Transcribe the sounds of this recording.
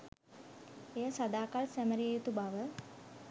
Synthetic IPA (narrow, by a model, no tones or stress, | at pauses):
ejəsad̪aːkalsæməɾijut̪ubaʋə